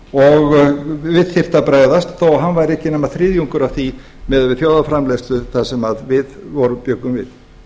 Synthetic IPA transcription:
ɔɣvɪðθɪr̥t̪apɾaːjððast̪θowɦanvajɾɛhcɪnɛmaθɾɪðjuŋkʏɾav̥θi | mɛðvɪðθjoːwðafɾamlɛst̪lʏθasɛmaðvɪðvɔɾʏpjœkːʏmvɪ̰ð

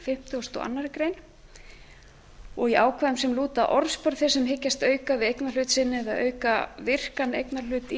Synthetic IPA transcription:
fɪm̥t̪ɪɔst̪ɔ̰a̰nːaɾɪkɾejn | ɔɣiʔaːwkʰvaðʏmsɛmluːt̪aʔɔɾspœɾðθɪsɛmɦɪcːast̪œːɥkavɪðejknalʏt̪sɪnːɪɛðaðœ̰ːɥkavɪr̥kanḛjknal̥ʏːt̪i

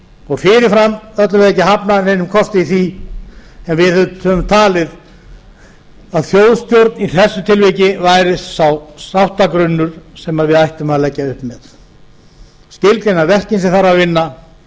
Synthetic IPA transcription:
ɔɣfɪɾɪɾfɾamœt̪lavɪðejcːɪɦapnaneːjnʏmkʰɔst̪ɪiθi | ɛnvɪðthœvʏmt̪ʰaːlɪð | aðθjowðst̪jowɾt̪niθɛsːʏt̪ʰɪlvɛcɪvajɾɪssawsawht̪akɾʏnːʏɾ̥sɛmaɾvɪðajht̪ʏmaðalɛcːaʏhpmɛð | scɪlklenavɛr̥cɪnsɪθaɾavɪnːa

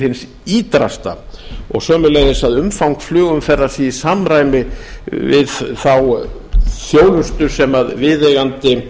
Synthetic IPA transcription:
ɪns | iːt̪ɾa̰st̪aɔ̰ɣsœːmʏleːjðɪsaðʏmfawŋkflʏːɣʏmfɛrːasiisamɾajmɪvɪ̰ðθaw | θjoːwlʏst̪ʏɾ̥sɛmaðvɪðejɣant̪ɪ

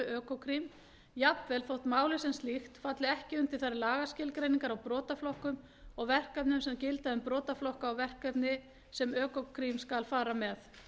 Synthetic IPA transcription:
ʏœːkɔkʰɾim | japvɛlθowht̪maːwlɪsɛnslixt̪fat̪lɪɛhcɪʏnt̪ɪlθaɾːɪlaːɣascɪlkɾejniŋkaɾawpɾɔːt̪aflɔhkʏm | ɔɣvɛr̥kapnʏmsɛmcɪlt̪aðʏmpɾɔːt̪aflɔhkaːwvɛr̥kapnɪ | sɛmœːkɔkʰɾimskalfaːɾamɛθ

